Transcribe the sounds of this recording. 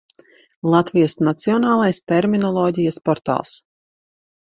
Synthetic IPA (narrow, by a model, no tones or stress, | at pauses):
lˠat̪vijasnat̪siɔnaːlˠajst̪ɛɾminɔlˠɔːɟʲijaspɔɾt̪a̰ːlˠs